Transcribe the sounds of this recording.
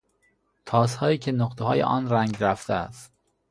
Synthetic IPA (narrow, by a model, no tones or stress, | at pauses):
t̪ʰɒːshɒːiːcʲʰe̞noqt̪ʰehɒːjḛʔɒ̰ːnɾæŋɟɾæft̪ʰeæ̰st̪